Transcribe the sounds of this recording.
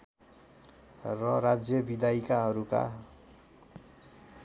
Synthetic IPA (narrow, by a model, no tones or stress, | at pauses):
rʌrad͡zjʌbid̪ajkaɦʌɾuka̰